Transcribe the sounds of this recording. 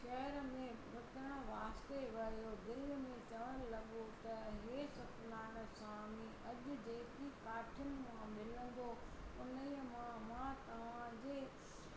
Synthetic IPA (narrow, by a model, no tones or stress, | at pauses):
ʃɐɦəɾmẽʋʊt̪əɽ̃õʋaːst̪eʋɐijod̪ɪlmẽt͡ɕɐʋəɽ̃ɪlɐɠot̪ɐɦeːsɐt̪naːnəsãːmĩʔɐʄʊ̆d͡ʑeːkikaːʈʰʊnɪ̆mãmɪlə̃n̆d̪oʊnəmãmãt̪ɐʋ̤ãd͡ʑeː